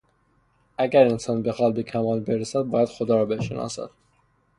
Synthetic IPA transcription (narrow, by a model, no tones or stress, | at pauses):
æɡæɾensɒːnbexɒːl̚bekʰæmɒːlbeɾesæd̪̚bɒːjæd̪̥xod̪ɒːɾɒːbeʃḛnɒ̰ːsæ̰d̪̥